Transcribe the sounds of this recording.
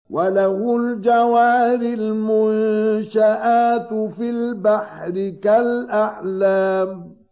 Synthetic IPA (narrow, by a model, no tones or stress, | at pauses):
walahʊld͡ʒawaːɾɪlmʊnʃaʔaːt̪filbaħɾɪkalʔaʕlaːm